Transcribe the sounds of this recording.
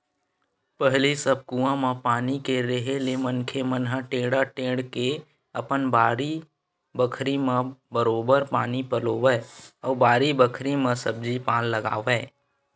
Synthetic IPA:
pəɦlisəb̚kuːãmãpaːnikeɾeɦelemənkʰemənɦə̃ʈẽːɽaʈẽːɽke | əpənbaːɾi | bəkʰɾimãbəɾoːbəɾpaːnipəloːʋɛːɔːɾbaːɾibəkʰɾimãsəb̚d͡ʒipãːnləɡa̰ːʋɛː

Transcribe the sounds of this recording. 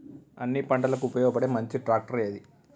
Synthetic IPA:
ɐnːipɐɳɖɐlɐk̬uːpɐjɔːɡɐpɐɽeːmɐɲt͡ʃiʈɾaːk̚ʈɐɾijɐd̪i

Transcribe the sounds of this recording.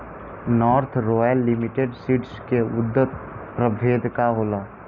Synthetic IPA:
nɔːɾt̪ʰɾoːjəlːimiʈeɖsiʈskeʊd̪ːət̪̚pɾəbʱeːd̪kaɦoːlaː

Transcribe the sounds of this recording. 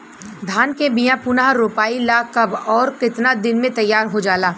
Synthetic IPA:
d̪ʱaːnkebijãpʊnaɦɾoːpaːilakɐbɔːɾkɪt̪nad̪ɪnmẽt̪ɐjːaːɾɦod͡ʒaːlaː

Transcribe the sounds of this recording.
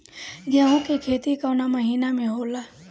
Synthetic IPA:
ɡjaːɦõkekʰeːt̪ikaʊnamɐɦiːnamẽɦoːlaː

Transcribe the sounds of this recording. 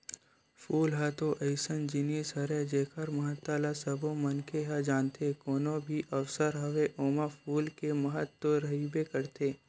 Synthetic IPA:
fuːlɦat̪oʔɐɪsənd͡ʒɪniːsɐɾed͡ʒeːkʰəɾmɐɦət̪alasɐbõmɐnkeɦad͡ʒaːnt̪ekoːnõbʱiʔɐwsəɾɦɐʋeʔoːmafuːlkemɐɦət̪ːoɾɐɦibekɐɾt̪eː

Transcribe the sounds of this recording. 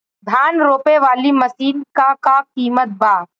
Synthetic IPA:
d̪ʱaːnɾoːpeʋaːlimɐsiːnkakakiːmət̪̚bʱaː

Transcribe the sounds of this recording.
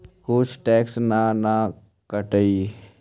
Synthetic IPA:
kʊt͡ʃʰʈɛːksnana | kəʈəi

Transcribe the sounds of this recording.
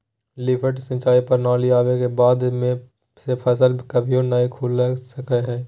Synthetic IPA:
lɪpʰəʈsə̃t͡ʃaːipɐɾnaːliaːʋekebaːd̪mẽ | sepʰɐs̬əlʱkɐbʱiõnaikʰuːlːsɐkeɦɛ̃ː

